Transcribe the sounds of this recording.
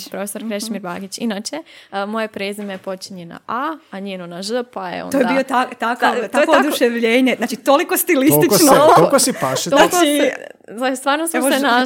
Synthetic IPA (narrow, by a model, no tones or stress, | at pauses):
pɾo̞fesoɾkɾeʃmiɾbaɡit͡ɕinat͡ʃemo̞jepɾezimepo̞t͡ʃiɲena̰ʔaaɲeːnonaʒəpajḛo̰nojeaiot̪at̪akat̪oeod̪uʃeʋʎeːɲeznaːt͡ʃit̪olikost̪ilisit͡ʃnookosipaʃenaoi | ast̪ʋaːɾnosena